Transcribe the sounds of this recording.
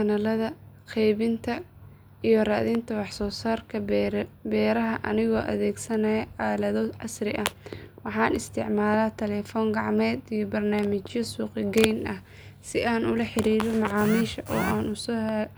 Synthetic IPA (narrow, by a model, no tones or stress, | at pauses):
kɐnɐlɐðɐqɛjβɪnt̪ʰɐ | ijɞraːðɪnt̪ʰɐwɑħsɔːsaːrkʰɐbɛːɾɐɦɐʔɐnɪɣɔːʔɐ̰ðɛːɡsɐnɐʕaːlɐðɔʔɑsrɪʔɐwɑħɑːnɪst̪ʰɪ̰ʕmaːlaːt̪ʰɛlɛːfɔːŋɡɑʕmɛːd̪ijɔbɐrnaːmɪt͡ʃjɐsuːqɪɡɛjnʔɐh | sɪʔaːnʊlɐħɪɾiːɾɔmɑʕɑːmiːʃɐʔɔːʔaːnʊsɔːhɛ